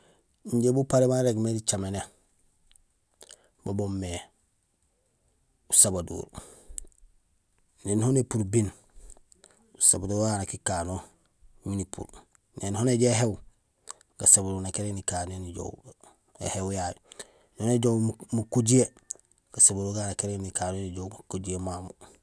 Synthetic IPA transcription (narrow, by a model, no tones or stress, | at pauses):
iɲɟebupaɾemaɾeɡmedit͡ʃamene | babomːe | usabadṵːɾ | neːnhonepuɾbin | usabaduɾanakikano | minipʰṵɾ | nenhoneɟeɦew | ɡ̥asabaduːɾnakeɾenikaːneniɟo̰w | ḛhewjaj | nhoneɟowmukuɟie | ɡ̥asabaduːɾɡaːnakeɾenikaːnoniɟoukuɟiemamu